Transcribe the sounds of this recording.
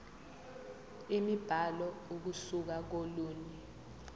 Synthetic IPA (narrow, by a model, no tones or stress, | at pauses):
imib̥ʱalɔuk̬usuk̬ak̬oluːni